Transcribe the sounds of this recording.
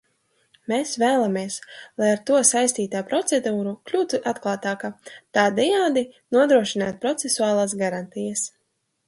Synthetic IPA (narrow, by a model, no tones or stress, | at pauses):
meːsvæːlˠamiɛslˠajaɾt̪uɔsajst̪iːt̪aːpɾɔt̪sed̪uːɾuklʲuːt̪uʔat̪klˠaːt̪aːkat̪aːd̪ɛjaːd̪inuɔd̪ɾuɔʃinaːt̪̚pɾɔt̪sesuaːlˠaːs̬ɡaɾant̪ijɐs